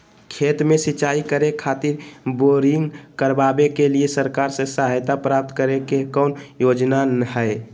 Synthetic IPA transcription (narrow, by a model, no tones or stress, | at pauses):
kʰeːt̪mẽsɪt͡ʃaːikəɾekʰaːt̪ɪɾboːɾɪŋɡkəɾbabekeliesəɾkaːɾsesəɦajt̪apɾaːp̚t̪kəɾekekɔːnjoːd͡ʒnanəɦɛe